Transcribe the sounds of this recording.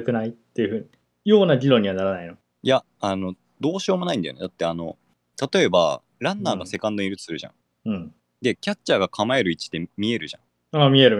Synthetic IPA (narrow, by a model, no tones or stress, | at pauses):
ɯkɯ̟nait̪ːe̞jɯ̟ɸɯ̟ːɲi | jo̞ːnaɾʲiɾõ̞ɲ̟ːiβanaɾanaino̞ | ja | ano̞ | d̪o̞ːɕo̞ːmo̞naĩnd̪ajo̰ned̪at̪ːe̞ano̞̰ | t̪at̪o̞e̞ba̰ | ɾãnːaːɡase̞kãnd̪oɲiɾɯt̪t͡sɨ̥sɨɾɯ̟ʑã̰ŋ | ɯ̟̃ɴ | d̪e̞kʲat͡ɕːaːɡakʰamae̞ɾɯ̟it͡ɕi̥d̪e̞mʲie̞ɾɯ̟ʑã̰ŋ | aːmʲie̞ɾɯ̟